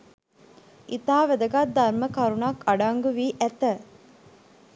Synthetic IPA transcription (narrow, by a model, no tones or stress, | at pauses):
ʔit̪aːʋed̪əɡat̪̚d̪ɐɾməkɐɾunakɐɖaŋɡuʋiːʔæt̪ə